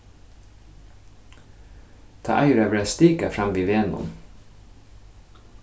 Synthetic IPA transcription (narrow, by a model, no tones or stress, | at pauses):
t̪ʰɑ̰ːʔæɪɾøːʋɾest̪iːkafɾɑmʋiːʋeːnʊ̰m